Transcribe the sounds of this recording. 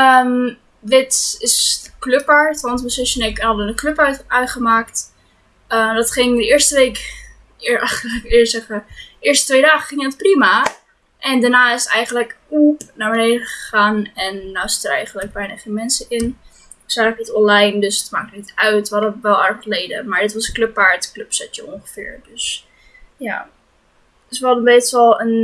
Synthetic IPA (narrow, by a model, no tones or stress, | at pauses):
əm | ʋɪtsɪskløpəɹtɑnsbəsɪʃənɛkɛnɦɑdənəkløpœœɥtχəmaːkt | ədɑtχɪŋdəɪːɹstəʋejk | ɪɑχəəkɪɹsɛχmaɪːɹstətʋejdaːχəχɪŋdətprima | ʔɛndanaːɪsətɛjχənləkupnaːɹbənejdəχə̥χaːnɛnːawsɪ̥tərɛ̰jχənləɡ̚bɛjnaχemɛnsəʔɪn | sarkətɔnlɛjndøsətma̰ːk̚ənitœɥtʋəɦɑdəʋɛlˠɛɹχχəlejdə̰maːɹdɪtʋɑsəklɵpːaːɹtklɵpsɛtə̰ɔŋχə̥fɪ̰ːɹdøs | ja̰ː | ɪsʋəɦɑdənbejtstəlˠən